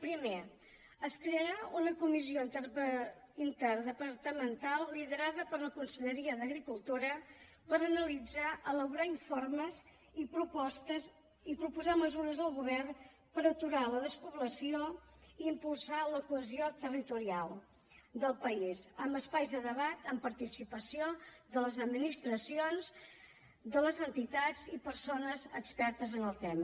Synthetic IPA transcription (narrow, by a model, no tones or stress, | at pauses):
pɾime | əskɾeəɾaunəkumizio | int̪əɾðəpəɾt̪əmənt̪alˠːiðəɾaðəpəɾləkunsəʎəɾiəðəɣɾikulˠt̪uɾəpəɾənəlid͡zaʔələwɣɾaiɱforməz | ipɾupɔst̪ə | ipɾupuzaməzuɾəzðəlˠɣuβ̞ɛrn | pəɾət̪uɾaləðəspuβləsio | iimpulˠsaləkuəziot̪ərit̪uɾialˠ | d̪əlˠpəizəmbəspajzðəðəβat̪əmpəɾt̪isipəsioðələzəd̪minist̪ɾəsionz | d̪ələzənt̪it̪ad͡zipəɾsonəzəkspɛɾt̪əzənəlˠt̪ɛm